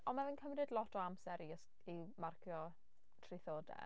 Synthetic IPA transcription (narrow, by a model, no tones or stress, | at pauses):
ɔnmavənkʰəvrɨdlˠɔtʰɔamsɛɾis | imarkʰjɔ | tʰriθoːdɛ̰